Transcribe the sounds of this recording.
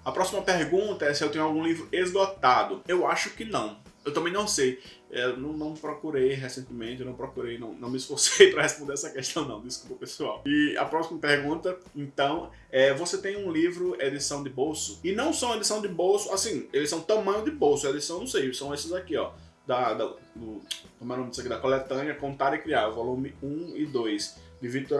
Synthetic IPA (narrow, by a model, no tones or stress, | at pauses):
ɐpɾɔsimɐpeɾɡũt̪ɐɛsɪewt̪ẽɲʊ̃awɡũlivɾʊezɡɔt̪ad̪ʊewaʃʊkɪnɐ̃w̃ | ewt̪ɐ̃mbẽj̃nɐ̃w̃sej | enɐ̃w̃nɐ̃w̃pɾɔkuɾejɦesẽnt̪ɪmẽt̪ɪewnɐ̃w̃pɾɔkuɾejnɐ̰̃w̃nɐ̃w̃mɪisfoɾsejpɾɐhespõd̪eɾɛsɐkɛʃt̪ɐ̃w̃nɐ̃w̃d̪iskupɐpesuawɪɐ̰pɾɔsimɐpeɾɡũt̪ɐ | ẽt̪ɐ̃w̃ | ɛvoset̪ẽj̃ũlivɾʊed̪isɐ̃w̃d̪ɪbowsʊɪnɐ̃w̃sɐ̃w̃ed̪isɐ̃w̃d̪ɪbowsʊasĩelisɐ̃w̃t̪ɐ̃mɐ̃ɲ̃ʊd̪ɪbowsʊɐed̪isɐ̃w̃nɐ̃w̃sejsɐ̃w̃esɪzakiɔ | d̪ɐd̪ | d̪ʊkõmenõmd̪isakid̪ɐkolɛt̪ɐ̃niɐkõnt̪aɾɪkɾiaɾvolũmɪũɪd̪ojsd̪ɪvit̪oɾ